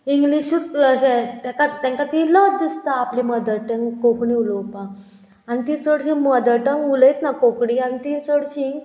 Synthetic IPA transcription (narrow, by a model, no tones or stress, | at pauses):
iŋɡliɕut̪ɕẽt̪ɛ̃kat̪ɛ̃ŋkat̪iləd̪ist̪aːpliməd̪əʈəŋkokɳĩulowpã | anit̪it͡soɽɕĩməd̪əʈəŋuləjt̪nakokɽianit̪it͡soɽɕĩ